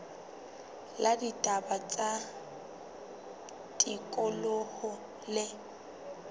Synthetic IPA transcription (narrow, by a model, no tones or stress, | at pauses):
laditʼabat͡sʼa | tʼikʼɔlohʊ | lɪ